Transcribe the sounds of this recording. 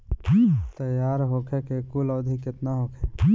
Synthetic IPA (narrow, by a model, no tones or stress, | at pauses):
t̪əjaːɾɦokʰɛkekulɔːd̪ʱikɪt̪naɦokʰɛ